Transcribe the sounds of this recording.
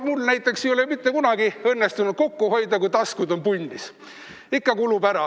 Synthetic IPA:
mulnæjt̪ːˑe̞ksiolemit̪ːe̞kunɑɡiɤ̞nːest̪unud̪̥̚ko̞kːuho̞jd̪ɑkujt̪ɑskud̪o̞npunʲːis | ikːɑkulubæɾɑ

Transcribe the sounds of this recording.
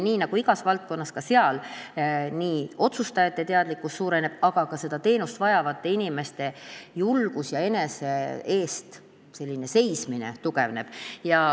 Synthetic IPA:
niːnɑɡ̥uiɡ̥ɑsvɑlt̪̚ko̞nːɑskɑse̞ɑl | niːo̞t̪sust̪ɑjɑt̪ːˑet̪e̞ɑd̪likːˑust̪suːɾe̞ne̞b̥ɑɡ̥ɑkɑse̞d̪ɑt̪e̞ːnust̪vɑjɑvɑt̪ːeinime̞st̪e̞julɡ̥usjɑe̞neseeːst̪ | se̞lʲːine̞se̞jsminḛt̪uɡe̞vne̞b̥jɑ

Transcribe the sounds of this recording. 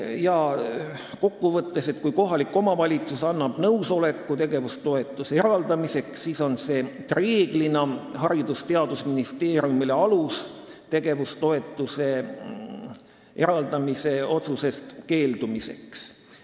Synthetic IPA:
jɑ | ko̞kːuvɤt̪ːe̞se̞t̪kujko̞ɦɑlikːˑo̞mɑvɑlʲit̪susɑnːɑb̥nɤwso̞le̞kːut̪e̞ɡe̞vust̪o̞e̞t̪ːˑuseeɾɑld̪̥ɑmise̞ksːiːso̞nse̞ːt̪reːɡ̥linɑɦɑɾid̪ust̪e̞ɑd̪̥usminist̪e̞ːɾjumile̞ɑlust̪e̞ɡ̥e̞vust̪o̞e̞t̪ːˑuse̞ | e̞ɾɑld̪̥ɑmise̞o̞t̪suse̞st̪ke̞ːld̪̥umise̞̰ks

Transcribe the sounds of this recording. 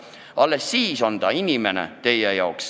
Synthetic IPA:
ʔɑlːesːiːso̞nt̪ɑinimenḛt̪e̞jejɑoks

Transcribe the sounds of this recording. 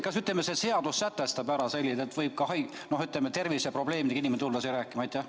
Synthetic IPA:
kɑsyt̪ˑlemːesese̞ɑd̪̥usːæt̪ːest̪ɑbæɾɑselʲːid̪et̪vɯjb̥̚kɑhɑj | nohyt̪ˑlemːet̪ervisɑpro̞ble̞ːmid̪eɡɑiniment̪ulːɑsejɾæːkːˑimɑɑjt̪ʲjæ

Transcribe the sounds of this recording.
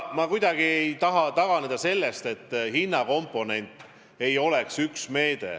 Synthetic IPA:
mɑkujd̪̥ɑɡ̥iejt̪ɑɦɑt̪ɑɡ̥ɑned̪̥ɑse̞lːe̞st̪e̞t̪ˑːhinːɑko̞mpːˑo̞ne̞nʲt̪ˑ | e̞jo̞le̞ksyksme̞ːd̪̥e̞̰

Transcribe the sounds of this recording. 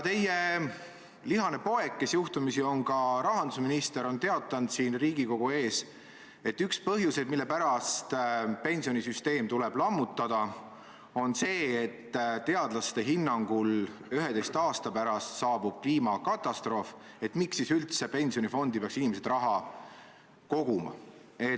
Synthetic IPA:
t̪e̞je | liɦɑne̞po̞e̞kːe̞sjuht̪umisio̞nkɑɾɑɦɑnd̪usminist̪e̞ɾo̞nt̪e̞ɑt̪ːˑɑnd̪̥siːnriːɡ̥iko̞ɡ̥ue̞ːs | e̞t̪ːykspɤɦjuse̞d̪̥milːe̞pæɾɑst̪pe̞nʲsio̞nisyst̪e̞ːmt̪ule̞b̥lɑmːut̪ːˑɑd̪̥ɑ | o̞nse̞ːt̪ːt̪e̞ɑd̪̥lɑst̪e̞ɦinːɑŋɡ̥ulyɦed̪e̞jst̪ɑːst̪ɑpæɾɑst̪sɑːb̥ub̥̚kliːmɑkɑt̪ːˑɑst̪ro̞ːf | e̞t̪ːmiksisylt̪se̞pe̞nʲsijo̞nifo̞nd̪ipeɑksinimese̞d̪̥rɑɦɑ | ko̞ɡ̥umɑ̰ | e̞

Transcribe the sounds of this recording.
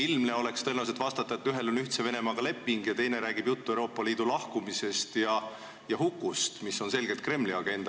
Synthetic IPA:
ilmne̞o̞le̞kst̪elnɑs̬et̪ːvɑst̪ɑt̪ːˑɑet̪ːyɦe̞lo̞nyht̪se̞ve̞ne̞mɑːɡ̥ɑle̞pːˑiŋɡjɑt̪e̞jne̞ɾæːɡ̥ib̥jut̪ːuewɾo̞ːpːˑɑliːd̪̥ulɑhkumise̞st̪jɑ | jɑɦukˑːust̪misːo̞nse̞lɡ̥e̞lt̪̚kre̞mːliɑɡ̥e̞nd̪̥ɑ

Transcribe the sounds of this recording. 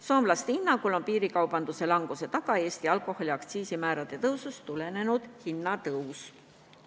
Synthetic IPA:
so̞ːmlɑst̪inːɑkolompiːɾikɑwb̥ɑnd̪̥use̞lɑŋɡ̥use̞t̪ɑɡ̥ɑe̞ːst̪iɑlkˑo̞ho̞lʲiɑkt̪siːsimæːɾɑd̪̥e̞t̪ɤwsust̪ule̞ne̞nud̪̥hinːɑt̪ɤus

